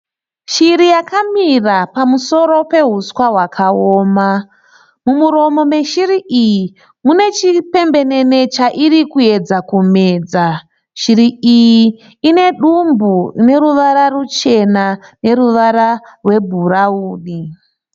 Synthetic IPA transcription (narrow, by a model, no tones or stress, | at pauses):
ʃiɾijakamirapamuso̞ɾo̞pe̞ɦuswaɦwakʰaoːma | mumuɾo̞mo̞me̞ʃiriʔiji | mune̞t͡ʃipe̞mbe̞ne̞ne̞t͡ʃaʔirikue̞d͡zakume̞ːd͡za | ʃiɾiiji | ine̞ɗumbune̞ɾuʋaɾarut͡ʃe̞nane̞ɾuʋaɾarwe̞bʱurauːɗi